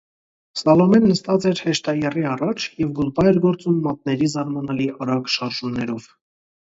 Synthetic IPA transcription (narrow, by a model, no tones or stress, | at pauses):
sɑlɔmɛnːəst̪ɑt͡sɛɾhɛʃt̪ɑjɛriɑrɑt͡ʃʰjɛvɡulpɑjɛɾɡɔɾt͡sumːɑt̪̚nɛɾizɑɾmɑnɑliʔɑɾɑɡʃɑɾʒumnɛɾɔv̥